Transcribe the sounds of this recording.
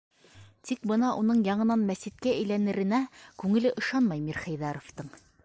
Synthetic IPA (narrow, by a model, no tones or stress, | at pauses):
t̪ik̚bɤ̆nɑʔunɤɴjɑɴɤ̆nɑnmæsit̪̚kæɘ̆jlænɘ̆ɾɘ̆nækʉŋɘ̆lɘʔɤ̆ʃɑnmɑjmiɾχæjðɑɾoft̪ɤɴ